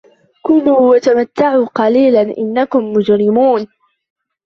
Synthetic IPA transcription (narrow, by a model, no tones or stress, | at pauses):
kʊluːwat̪amat̪ːaʕuːqɑliːlanʔɪ̰nːakʊmːʊd͡ʒɾɪmuːn